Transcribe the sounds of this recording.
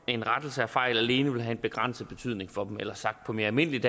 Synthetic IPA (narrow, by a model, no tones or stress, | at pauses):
enʁad̥l̩səæfɑ̈ɪ̰læle̝ːnəʋe̝lɦæe̝nb̥e̝ɡ̥ʁan̰səð̩ˠb̥e̝t͡sʰy̰ð̰ˠne̝ŋfɒ̽d̥em̩elɐsɑ̈ɡ̥d̥̚pʰɒ̽me̝ɐælme̝n̰əlid̥